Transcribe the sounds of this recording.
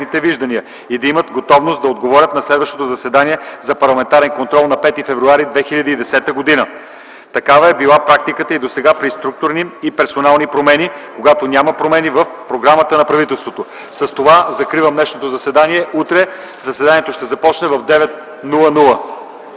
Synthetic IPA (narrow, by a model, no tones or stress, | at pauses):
nit̪ɛviʒd̪ɐniə | id̪ɐimət̪ɡot̪ɔvnost̪̚d̪ɐod̪ɡovɔɾʲət̪̚nɐslɛd̪vəʃt̪ot̪ozɐsɛd̪aniɛzɐpɐɾlˠɐmɛnt̪aɾɛnkont̪ɾɔlˠnɐpɛt̪ifɛvɾuaɾid̪vɛxiʎʲɐd̪əid̪ɛsɛt̪əɡod̪inə | t̪ɐkavəɛbilˠapɾak̚t̪ikət̪əid̪osɛɡapɾist̪ɾuk̚t̪oɾniːpɛɾsonalˠnipɾomɛnikoɡat̪onʲaməpɾomɛnivəfpɾoɡɾamət̪ənɐpɾɐvit̪ɛlˠst̪vot̪o | sɐst̪ovazɐkɾivəmnɛʃnot̪ozɐsɛd̪aniɛut̪ɾɛ | zɐsɛd̪anijɛt̪oʃt̪ɛzɐpɔt͡ʃnɛvɐvd̪ɛvɛt̪̚ | nulˠənulˠə